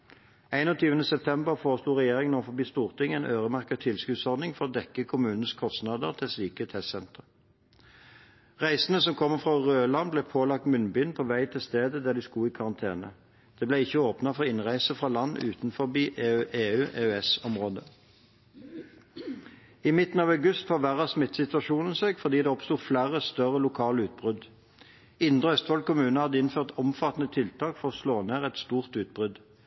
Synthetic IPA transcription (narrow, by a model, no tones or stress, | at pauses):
æɪnɔt̪ʰyːʋənəsɛp̚t̪ʰɛmbəʁfoːʁəsluːʁɛjeːʁɪŋnɔːʁfɔbiːst̪uːʁt̪ʰɪŋæɪnʔøːʁəmæʁkət̪ʰɪlskʉd̪sɔʁd̪nɪŋfɔʁoːd̪ɛkːəkʰʊmʉːnn̩əskʰɔst̪nɑd̪əʁt̪ʰɪlsliːkət̪ʰɛssɛnt̪ʁə | ʁæɪsən̩əsɔmkʰɔmːəfʁɑʁøːlɑnblɛpʰoːlɑk̚t̪mʏnbʏnpʰoːʋæɪt̪ʰɪlst̪eːd̪əd̪æːd̪iːskuːiːkʰɑʁɑnt̪ʰeːnə̰ | d̪̥ɛːblæɪçːəoːpnɑfɔʁɔɪnʁæɪsəfʁɑːlɑnːʉ̰ːt̪nfɔbiːʔʔeːʉːʔeːœɛsɔmʁoːd̪ə | iːmɪt̪n̩ɑːʋɑʉɡʉst̪fɑːʋæʁɑsmɪt̪ːsɪt̪ʋɑʃuːnən̩sɛɡfɔʁd̪iːd̪ɛːɔpst̪uːflæːʁəst̪œʁəlʊkʰɑːləʉːt̪̚bʁʏd̪ | ɪnd̪ʁəœst̪ʋɑl̚kʊmʉːnəhɑd̪əɪnføːʁt̪ɔmfɑt̪n̩ət̪ʰɪlt̪ʰɑːkfɔʁɔsloːneːʁɛt̪st̪uːʁt̪ʉːt̪̚bʁʏd̪